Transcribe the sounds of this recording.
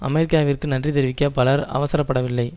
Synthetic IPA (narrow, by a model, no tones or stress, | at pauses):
ʔɐ̰mɛɾɪkːaːʋɪrkɯnɐndrit̪ɛɾɯʋɪkːɐpɐlɐɾɐ̰ʋɐsɐɾɐpːɐɽɐʋɪlːɐɪ